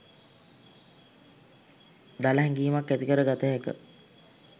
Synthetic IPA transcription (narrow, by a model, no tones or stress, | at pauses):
d̪aləɦɛŋɡiːmakːæt̪ikəɾəɡat̪əɦekə̰